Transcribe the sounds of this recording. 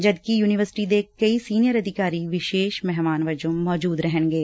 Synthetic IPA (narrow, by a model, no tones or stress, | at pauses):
d͡ʒɐd̪kijuːnɪʋəɾsɪ̥ʈid̪ekɐisiːnɪjəɾɐd̪ʱɪkaːɾiʋɪʃeːʃmɛɦmaːnʋɐd͡ʒõmɔːd͡ʒuːd̪ɾɛɦənɡeː